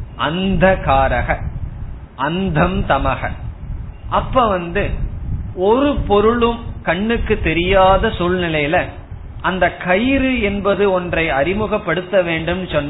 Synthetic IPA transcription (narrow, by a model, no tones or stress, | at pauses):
ʔɐnd̪ɐkaːɾɐɣɐ | ʔɐnd̪ʱɐmt̪ɐmɐɣɐ̰ | ʔɐpːɐʋɐnd̪ɯ | ɔɾɯpɔɾɯɭɯmkɐɳːɯkːɯt̪ːɛɾɪjaːðɐsulnɪlɐjɪlɐ | ɐnd̪ɐkɐjɪɾɯɛnbɐðɯɔndrɐɪɐɾɪmɯɣɐpːɐɽɯt̪ːɐʋeːɳɖɯmsɔnːɐ